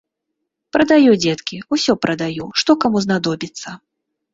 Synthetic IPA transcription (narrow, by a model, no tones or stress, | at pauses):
pɾɐd̪ajud͡zʲɛt̪kʲiusʲɔpɾɐd̪ajuʂt̪ɔkamuznad̪ɔbʲit̪sːɐ